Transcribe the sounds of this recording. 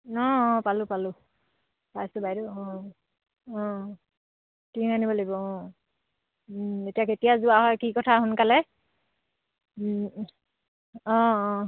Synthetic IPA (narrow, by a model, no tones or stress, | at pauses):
ɔ̃ɔ̃palʊpalʊ | pajsʊbajduɔ̃ | ɔ̃ | tinanibɔlejbɔɔ̃ | etijaketijazʊaɦɔjkikɔtʰaɦʊnkalɛ | ɔ̃